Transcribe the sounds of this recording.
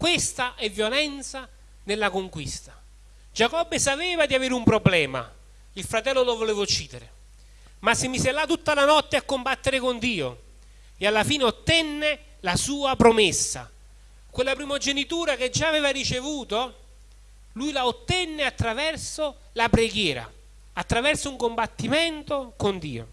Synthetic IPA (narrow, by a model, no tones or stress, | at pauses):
kwest̪aʔɛvːjolɛnt̪sa | nelːakoŋkwist̪ḁ | d͡ʒakɔbːesapɛːvad̪iaveːɾɪumpɾoblɛːma̰ | ilfɾat̪ɛlːolovoleːvot͡ʃiːd̪eɾe | masːɪmisɛlːat̪ːut̪ːalanɔt̪ːeakːombat̪ːeɾɪkond̪iːo̰ | ealːafiːneot̪ːɛnːe | lasuːapɾomesːa̰ | kwelːapɾimod͡ʒenit̪uːɾaked͡ʒːaːveːvarit͡ʃevuːt̪o | lujlaot̪ːɛnːeat̪ːɾavɛrso | lapɾeɡjɛːɾa̰ | at̪ːɾavɛrsouŋkombat̪ːimɛnt̪okond̪ḭːo̰